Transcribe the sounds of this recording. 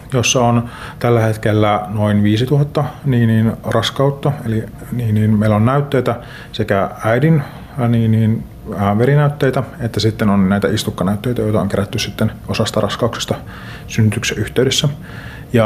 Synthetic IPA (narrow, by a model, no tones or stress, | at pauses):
josːɑont̪ælːæhet̪kelːænoinʋiːsit̪uhɑt̪ːɑniːniːnrɑskɑut̪ːɑeli | niːniːnmeilonnæyt̪ːeit̪æ | sekææidin | niːniːnː | ʋeɾinæyt̪ːeit̪æet̪ːæsit̪ːenonnæit̪æist̪ukːɑnæyt̪ːeit̪æjojt̪ɑoŋkeɾæt̪ːyssit̪ːenosɑst̪ɑrɑ̰skɑukse̥st̪ɑ | synːyt̪ykseʔyht̪ˑeydesːæ | jɑ